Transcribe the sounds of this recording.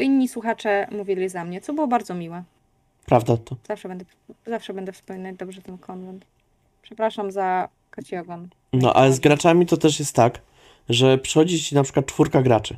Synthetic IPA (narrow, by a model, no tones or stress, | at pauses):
iɲʲːiswuxat͡ʂɛmuvʲilʲizamɲɛt̪sɔbɘwɔbaɾd̪zɔmʲiwɛ | pɾavd̪at̪ɔz̥afʂɛbɛnd̪ɛ | zafʂɛbɛnd̪ɛfspɔmʲinad͡ʑd̪ɔbʐɛt̪ɛnkʰɔnt̪ɛnt̪ | pʂɛpɾaʂamza | kat͡ɕiɔɡɔn | nɔ̰ʔa̰lɛzɡɾat͡ʂamʲit̪ɔt̪ɛʂjɛst̪ːak | ʐɛpʂɛ̥xɔd͡ʑit͡ɕinapʂɘ̥kwat̪̚t͡ʂfuɾkaɡɾat͡ʂɘ